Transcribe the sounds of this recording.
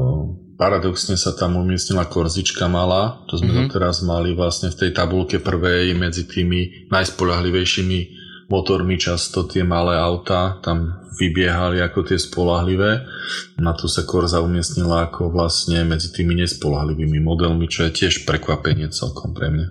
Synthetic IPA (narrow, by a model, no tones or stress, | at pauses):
paɾad̪ɔksɲɛsat̪amumɪɛsɲilakɔɾzit͡ʃkamalaːt͡ʃɔzmɛd̪ɔt̪ɛɾazmaliʋlasɲɛft̪ɛjt̪abulkɛpr̩ʋɛjmɛd͡zit̪ʰiːmi | najspɔʎaɦliʋɛjʃimi | mɔt̪ɔɾmit͡ʃast̪ɔt̪ɪɛmalɛːaʊt̪aːt̪amʋibɪɛɦaliakɔt̪ɪɛspɔlaɦliʋɛːnat̪ʰɔsakɔɾzaumɪɛsɲilaːkʰɔʋlasɲɛmɛd͡zit̪iːmiɲɛspɔlaɦliʋiːmimɔd̪ɛlmit͡ʃɔjɛcɪɛʃpɾɛkʋapɛɲɪɛt͡sɛ̰lkʰɔmpɾɛ̰mɲa